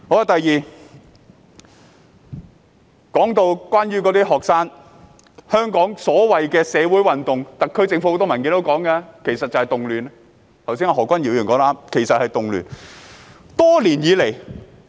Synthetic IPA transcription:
hɔː˨˧ɐ˨˧t̪ɐ˨jjiː˨˩ | kɔː˨˥ŋt̪o˧wkʷaː˥nɥyː˥k̬ɔ˨˧t̪iː˥ɦɔː˨˩k̚saː˥n | hœː˥ŋkɔː˨˥ŋsɔː˨˥wɐ˨jkɛː˧sɛː˨˧wuː˨˥jwɐ˨nt̪ʊ˨ŋt̪ɐ˨k̚kʰːɵ˥ɥt͡sɪ˧ŋfu˧˥o˧wt̪ɔ˥mɐ˨˩nkiː˧nt̪o˧˥wkɔː˨˥ŋkɛː˧kʰe˨˩jsɐ˨t̚t͡sɐ˨whɐ˨jt̪ʊ˨ŋlyː˨˩n | t̪ʰɐ˨˩wsi˥nɔː˧ɦɔː˨˩kʷɐ˥njiː˨˥wjyː˨˩nkɔː˨˥laː˧˥mkʰe˨˩sɐ˨t̚hɐ˨jt̪ʊ˨ŋly̰ː˨˩n | t̪ɔː˥liː˨˩njiː˨˧le˨˩j

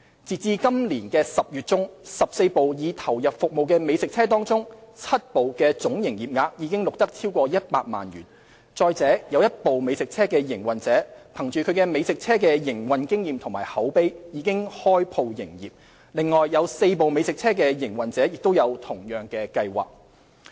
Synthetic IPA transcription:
t͡siː˨t͡siː˧kɐ˥mliː˨˩nkɛː˧sɐ˨p̚jyː˨t̚t͡sʊ˥ŋsɐ˨p̚se˧jpo˨wjiː˨˧t̪ʰɐ˨˩wjɐ˨p̚fʊ˨k̚mo˨wkɛː˧me˨˧jsɪ˨k̚t͡sʰɛː˥t̪ɔː˥ŋt͡sʊ˥ŋt͡sʰɐ˥t̚po˨wkɛː˧t͡sʊ˨˥ŋjɪ˨˩ŋjiː˨˩p̚ŋaː˨˧k̚jiː˨˧kɪ˥ŋlʊ˨k̚t̪ɐ˥k̚t͡sʰiː˥wkʷɔː˧jɐ˥t̚paː˧t̚ma̰ː˨nɥyː˨˩n | t͡sɔː˧jt͡sɛː˨˥jɐ˨˧wjɐ˥t̚po˨wme˨˧jsɪ˨k̚t͡sʰɛː˥kɛː˧jɪ˨˩ŋwɐ˨nt͡sɛː˨˥pʰɐ˨˩ŋt͡ʃyː˨kʰɵ˨˧ɥkɛː˧me˨˧jsɪ˨k̚t͡sʰɛː˥k̬ɛː˧jɪ˨˩ŋwɐ˨nkɪ˥ŋjiː˨mt̪ʰʊ˨˩ŋmaː˨˩jhɐ˨˥wpe˥jjiː˨˧kɪ˥ŋhɔː˥jpʰo˧wjɪ̰˨˩ŋjḭː˨˩p̚ | lɪ˨ŋːɔː˨jːɐ˨˧wse˧jpo˨wme˨˧jsɪ˨k̚t͡sʰɛː˥k̬ɛː˧jɪ˨˩ŋwɐ˨nt͡sɛː˨˥jɪ˨k̚t̪o˥wjɐ˨˧wt̪ʰʊ˨˩ŋjœː˨ŋkɛː˧kɐ˧jwa̰ː˨˩k̚

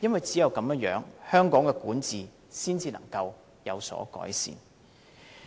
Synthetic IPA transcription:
jɐ˥nwɐ˨jt͡siː˨˥jɐ˨wkɐ˨˥mjːŋjœ̰ː˨˥ŋhœː˥ŋkɔː˨˥ŋkɛː˧kuː˨˥nt͡siː˨ | siː˥nt͡siː˧nɐ̰˨˩ŋkɐ˧w | jɐ̰˨˧wsɔ̰ː˨˥kɔ̰ː˨˥jsḭː˨n

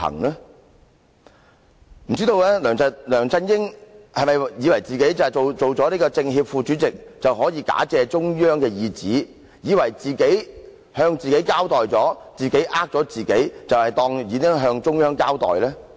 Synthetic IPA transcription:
ɐ̰˨˩ŋlɛː˥ | m̩˨˩t͡siː˥t̪o˧wlɛː˥lœː˨˩ŋt͡sɐ˧lœː˨˩ŋt͡sɐ˧njɪ˥ŋhɐ˨jmɐ˨jjiː˨˧wɐ˨˩jt͡siː˨ke˨˥jt͡sɐ˨o˨wt͡so˨wt͡sɔː˨˥niː˥kɔː˧t͡sɪ˧ŋɦiː˧p̚fuː˧t͡ʃyː˨˥t͡sɪ˨k̚t͡sɐ˨wɦɔː˨˥jiː˨˧˥ka̰ː˨˥t͡sɛː˧t͡sʊ˥ŋjœː˥ŋkɛː˧jiː˧t͡siː˨˥ | jiː˨˧wɐ˨˩jt͡siː˨ke˨˥j | hœː˧ŋt͡siː˨ke˨˥jkaː˥wt̪ɔː˨jt͡sɔː˨˥t͡siː˨ke˨˥jʔaː˥k̚t͡sɔː˨˥t͡siː˨ke˨˥jt͡sɐ˨whɐ˨jt̪ɔː˧ŋjiː˨˧kɪ˥ŋɦœː˧ŋt͡ʃʊ˥ŋjœː˥ŋkaː˥wt̪ɔ̰ː˨˩jlɛː˥

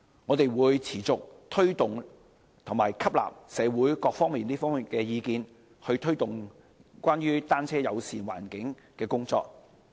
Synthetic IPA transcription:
ŋɔː˨˧t̪e˨jwuː˨˧jt͡sʰiː˨˩t͡sʊ˨k̚t̪ʰɵ˥ɥt̪ʊ˨ŋ | t̪ʰʊ˨˩ŋmaː˨˩jkʰɐ˥p̚la̰ː˨p̚sɛː˨˧wuː˨˥jkɔː˧k̚fɔː˥ŋmiː˨nliː˥fɔː˥i˨nkɛː˧jiː˨˧kiː˧n | hɵ˧ɥt̪ʰɵ˥ɥt̪ʊ˨ŋ | kʷaː˥nɥyː˥t̪aː˥nt͡sʰɛː˥jɐ˨˧wsiː˨nwa̰ː˨˩nkɪ˨˥ŋ | kɛː˧kʊ˥ŋt͡sɔ̰ː˧k̚

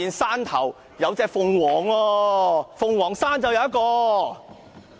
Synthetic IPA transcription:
iː˨˧nsaː˥nt̪ʰɐ̰˨˩w | jɐ˨˧wt͡sɛː˧k̚fʊ˧ŋwɔː˨˩ŋwɔː˧fʊ˧ŋwɔː˨˩ŋsaː˥nt͡sɐ˨wjɐ˧wjɐ˥kɔː˧

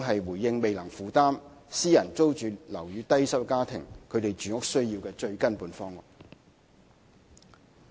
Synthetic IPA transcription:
ŋɦɐ˨jwuː˨˩jːɪ˧ŋme˨jlɐ˨˩ŋfuː˨˥t̪aː˥m | siː˥jɐ˨˩nt͡so˥wt͡ʃyː˨lɐ̰˨˩wjyː˨˧˥t̪ɐ˥jsɐ˥p̚kaː˥t̪ʰɪ̰˨˩ŋkʰɵ˨˧t̪e˨jt͡ʃyː˨˥ŋʊ˥k̚sɵ˥ɥjiː˧wkɛː˧t͡ʃɵ˧ɥkɐ˥npuː˨˧nfɔː˥ŋːʊ˨

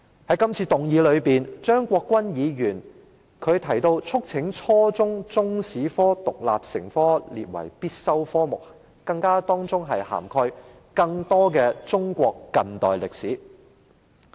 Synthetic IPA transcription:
hɐ˨˥jkɐ˥mt͡sʰiː˧t̪ʊ˨ŋjiː˨˧lɵ˨˧ɥpiː˨nt͡ʃœː˥ŋkʷɔː˧kːʷwɐ˥njiː˨˧jyː˨˩n | kʰɵ˨˧ɥt̪ʰɐ˨˩jt̪o˧wt͡sʰʊ˥k̚t͡sʰɪ˨˥ŋt͡ʃʰɔː˥t͡sʊ˥ŋt͡sʊ˥ŋsiː˨˥fɔː˥t̪ʊ˨k̚la̰ː˨p̚sɪ˨˩ŋfɔː˥lḭː˨t̚wɐ̰˨˩jpiː˥t̚sɐ˥wfɔː˥mʊ˨k̚ | kɐ˧ŋkaː˥t̪ɔː˥ŋt͡sʊ˥ŋɦɐ˨jha̰ː˨˩mkʰɔː˧j | kɐ˧ŋt̪ɔː˥kɛː˧t͡sʊ˥ŋkʷɔː˧kːɐ˨nt̪ɔ̰ː˨jlɪ˨k̚siː˨˥

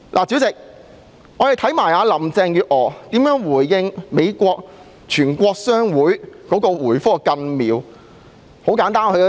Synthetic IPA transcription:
lʔa̰ː˨˩t͡si˨˥wt͡sɪ˨k̚ | ʔɔː˨˧jt̪ʰɐ˨˥jmaː˨˩jaː˨˧lɐ˨˩mt͡sɛː˧ŋjyː˨˧t̚ʔɔː˨˧t̪iː˨˥mjœː˨˥ŋwuː˨˩jːɪ˧ŋme˨˧jkʷɔː˧k̚ | t͡ʃʰyː˨˩nkʷɔː˧k̚sœː˥ŋwuː˨˥jkɔː˨˥kɔː˧wuː˨˩jfɔː˥kɐ˧nmiː˨˧w | ho˨˥wkaː˨˧˥nt̪aː˥nhɵ˧˥

